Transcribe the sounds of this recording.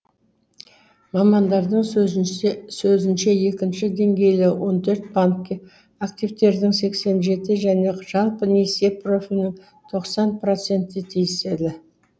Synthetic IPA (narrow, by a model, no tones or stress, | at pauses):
mɑmɑnd̪ɑɾd̪əɴ | sɵzɪnʃe̞je̞kʲɪnʃɪd̪e̞ŋɡʲe̞jlɪwʔo̞nt̪ʰɵɾt̪̚baŋkʲːe | akt̪ivt̪e̞ɾd̪ɪŋse̞kse̞nʒe̞t̪ɪʒæne̞ʒ̥ɑlˠpənesepro̞fʲilʲnɪŋ | t̪ʰo̞qsɑnpro̞t̪se̞nt̪ːɪt̪ʰijɪse̞d̪ɪ